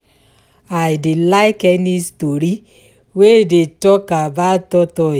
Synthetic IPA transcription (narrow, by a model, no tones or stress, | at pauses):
aɪdilaɪkɛnistoɾi | wedetɔkabatɔtɔ